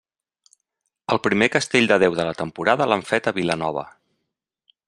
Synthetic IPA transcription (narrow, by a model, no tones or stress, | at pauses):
əlˠpɾimekəst̪eʎʲd̪əðɛwðələt̪əmpuɾaðəlaɱfɛt̪əβilənɔβ̞ə̰